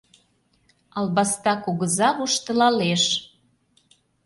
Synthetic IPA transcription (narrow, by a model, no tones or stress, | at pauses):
ɑlβɑst̪ɑkuɣəzɑβuʃt̪ə̆lɑleʃ